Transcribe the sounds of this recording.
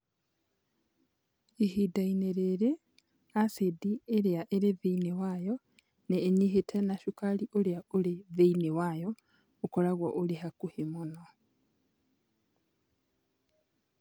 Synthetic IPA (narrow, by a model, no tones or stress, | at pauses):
ehidaineɾeɾe | asedieɾjaʔeɾeveinewajo | neːɲiɦetʰenaʃukaliʔoljaoleveinewajo | okolaɣwaʔolehakuhimono